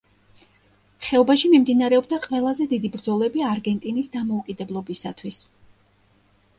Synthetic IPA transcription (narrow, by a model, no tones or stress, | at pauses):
χɛɔbaʃimimd̪inaɾɛɔbd̪aqʼwɛlˠazɛd̪id̪ibɾd̪zɔlɛbiaɾɡɛnt̪ʼinisd̪amɔukʼid̪ɛblˠɔbisat̪ʰwis